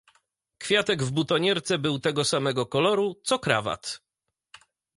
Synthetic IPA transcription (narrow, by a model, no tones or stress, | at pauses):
kfʲjat̪ɛɡvbut̪ɔɲɛɾt̪sɛbɘwt̪ɛɡɔsamɛɡɔkɔlɔɾut̪sɔkɾa̰va̰t̪